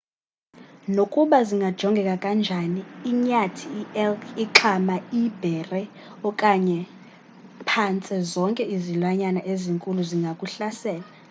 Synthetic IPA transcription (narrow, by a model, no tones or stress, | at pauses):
nokʼuɓaziŋɡʱad̥ʒ̥ʱɔŋɡʱɛkʼakʼand͡ʒʱaniːɲatʰiːɛliǁʰamaib̥ʱɛrɛ | ɔkʼaɲɛ | pʰant͡sʼɛzɔŋkʼɛizilwaɲanaʔeziŋkʼuluziŋɡʱakʼuɬasɛːla